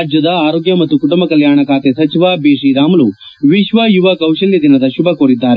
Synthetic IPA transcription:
d͡ʒjɐd̪ɐaːɾoːɡjɐmɐt̪ːukuʈumbɐkɐljaːɳɐkaːt̪esɐt͡ʃiʋaːbiːʂiːɾaːmɐlu | ʋiʃʋɐjuʋɐkɐwʃɐljɐd̪inɐd̪ɐʃubɐkoːɾid̪ːaːɾe

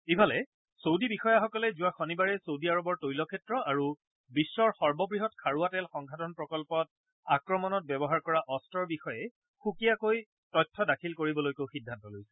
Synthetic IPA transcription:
ibʱalɛ | sowdibixɔjaxɔkɔlɛzuwaxɔnibaɹɛsowdiaɹɔbɔɹtojlɔkʰɛtɹɔaɹu | bisːɔɹxɔɹbɔbɹiɦɔtkʰaɹuatɛlxɔŋɡʱatɔnpɹɔkɔlpɔt̚ | akɹɔmɔnɔt̚bɛbɔɦaɹkɔɹaʔɔstɔɹbixɔjɛ | xukijakoj | tɔjtʰːɔdakʰilkoɹibɔlojkoʊxidʱːantɔlojsɛ

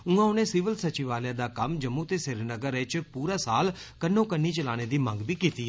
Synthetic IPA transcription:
ũãːʊnẽːsɪʋəlsət͡ʃɪʋaːljãːd̪aːkəmd͡ʒəmũːt̪eːsɪɾnəɡəɾet͡ʃpuːɾaːsaːl | kənːõːkənːiːt͡ʃəla̰ːɽ̃eːd̪iːmə̃ŋɡbʱiːkiːt̪iː

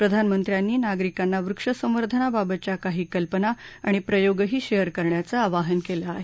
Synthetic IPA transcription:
pɾəd̪ʱanmənt̪ɾjanːiːnaɡɾikanːaʋɾukʂəsə̃m̃ʋəɾd̪ʱənababət͡ɕjakaɦiːkəlpənaːɽ̃ipɾəjoɡɦiːɕejəɾkəɾɳjat͡saːʋaɦənkelaːɦe

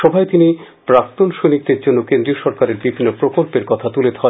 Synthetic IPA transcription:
ʃɔbʱaet̪ini | pɾak̚t̪onʃonik̚d̪eɾd͡ʑonːokẽnd̪ɾioʃɔɾkaɾeɾbibʱinːopɾokolpeɾkɔt̪ʰat̪uled̪ʱɔ

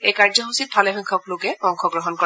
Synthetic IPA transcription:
ejkaɹzɔɦusit̚bʱalɛɦɔŋkʰɔklʊkɛɔŋxʰɔɡɹɔɦɔnkɔ

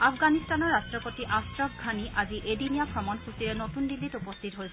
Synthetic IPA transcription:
apʰɡanistanɔɹːastɹɔpotiʔastɹɔbʰɡʱaniʔaziʔedinijapʰɹɔmɔnkʰutiɹɛnotundilːitupɔstʰitɦojbɔ

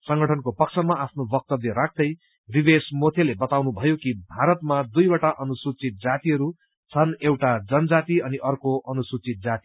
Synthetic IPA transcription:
sʌŋɡʌʈʰʌnkopʌkt͡sʰʌmaapʰnobʌk̚t̪ʌbleɾak̚ʰd̪ʌj | ribesmot̪ʰelebʌt̪awnubʱʌjokibʱaɾʌt̪mad̪ujbaʈaʔʌnusut͡sit̪̚d͡zat̪iɦʌɾu | t͡sʰʌnewʈad͡zʌnd͡zat̪iʌniʔʌrkoʔʌnusut͡sit̪̚d͡zat̪i

